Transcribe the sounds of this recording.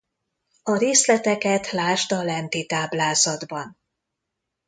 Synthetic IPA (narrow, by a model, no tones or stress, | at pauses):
ɒɾeːslɛt̪ɛkɛt̪laːʃt̪ɒlɛnt̪it̪aːblaːzɒd̪bɒn